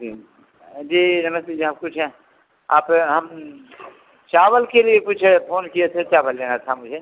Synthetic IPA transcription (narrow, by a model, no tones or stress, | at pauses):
i | d͡ʒiːnɐməst̪eːd͡ʒiaːp̚kʊt͡ʃʰɦɛ̃ | aːpɦɐm | t͡ʃaːʋəlkelijekʊt͡ʃʰpʰoːnkijet̪ʰet͡ʃaːʋəlːeːnat̪ʰamʊd͡ʒʱe